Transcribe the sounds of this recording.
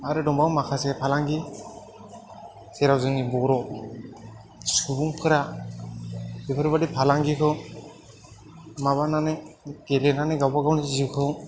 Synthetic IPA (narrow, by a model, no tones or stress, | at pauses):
aɾɯdɔmbawmakʰasɛpʰalaŋɡi | seɾawzɯŋnibɔɾɔ | subuŋpʰɯɾa | bipʰɯɾbadipʰalaŋɡikʰɯw | maβananeɡelenaneɡawbaɡawnizikʰɯw